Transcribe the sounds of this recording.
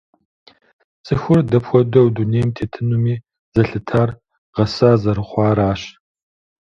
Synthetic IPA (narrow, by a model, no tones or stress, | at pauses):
t͡sʼɨxʷʊrdɐpxʷɔdɐwduneːjmtʰeːtʰɨnumiː | zɐɬɨtʰaːr | ʁɐsaːzɐɾɨχʷɑːɾaːɕ